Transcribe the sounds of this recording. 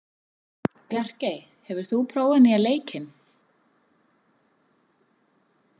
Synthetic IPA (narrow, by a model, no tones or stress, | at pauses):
pjar̥cej | hɛvʏɾ̥θupʰɾoːwvanːɪaleːjcʰɪn